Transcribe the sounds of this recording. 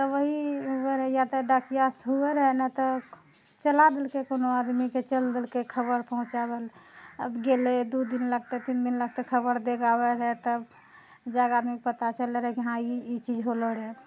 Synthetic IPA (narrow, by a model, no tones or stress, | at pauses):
t̪ɔʋəɦiɦueɾɛjat̪ɔɖakijasɦueɾəɦɛnɛt̪ɔ | t͡ʃəlad̪elkekonoad̪miket͡ʃəld̪elkekʰəbəɾpəɦʊ̃t͡ʃabelə̰bɡeled̪ud̪inləɡ̚t̪et̪ind̪inləɡ̚t̪ekʰəbəɾd̪eɡabeɾɦɛt̪əb | d͡ʒaɡad̪mikepət̪at͡ʃəleɾəɦkiɦãiit͡ʃid͡ʒɦoləɾɦe